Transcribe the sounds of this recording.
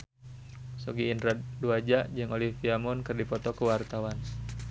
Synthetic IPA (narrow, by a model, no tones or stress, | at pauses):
sɔɡiːndɾaduad͡ʒaʔd͡ʒɨŋolifiamɔnkɨrdipɔt̪ɔkuwart̪awan